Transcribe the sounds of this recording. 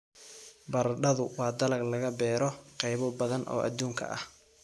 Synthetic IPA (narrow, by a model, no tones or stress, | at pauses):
bɐrɖɐðʊwɑːd̪ɐlɐɡlɐɣɐbɛːɾɔqɛjβɔbɐðɐnʔɔ̰ːʔɐ̰d̪uːŋkʰɐ̰ʔɐ̰h